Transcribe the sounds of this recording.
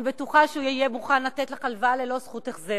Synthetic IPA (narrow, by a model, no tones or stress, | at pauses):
betuχaʃeuijemuχanlat̪etlaχalvale̞lo̞sχuteχze